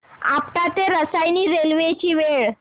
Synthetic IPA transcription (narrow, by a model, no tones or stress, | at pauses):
a̰pʈ̪at̪eɾəsajniɾelʋet͡ɕiːʋeɭ